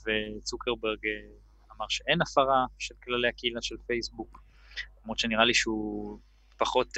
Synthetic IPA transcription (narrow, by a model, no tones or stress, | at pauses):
vet͡sukeʁbeʁɡ | amaʁʃeʔe̞nafaʁaʃelklale̞jakeilaʃelfejsbuk | lomʁot̪ʃeniʁaliʃeu | paχo̞t